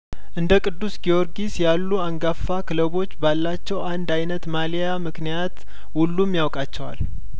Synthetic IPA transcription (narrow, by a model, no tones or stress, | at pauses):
ʔɨnd̪əkʼɨd̪ːusɡijo̞ɾɡisjalːuaŋɡafːakʰɨləβo̞t͡ʃːbalːat͡ʃːɛwand̪ajnət̪malijamɨknijat̪ | hulːumjawkʼat͡ʃːɛwa̰l